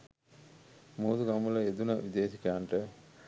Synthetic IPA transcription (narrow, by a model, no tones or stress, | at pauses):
muːd̪uɡɐmulɐed̪unɐʋid̪eːsikæːɳʈə